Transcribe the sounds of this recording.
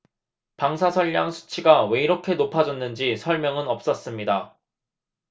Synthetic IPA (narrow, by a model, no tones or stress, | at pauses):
paŋsʰasʰʌʎːaŋsʰu̥t͡ɕʰiɡawe̞iɾʌkʰe̞nopʰad͡ʑʌnːɯnd͡ʑisʰʌɭmjʌŋɯnʌp̚s͈ʌs͈ɯmɲida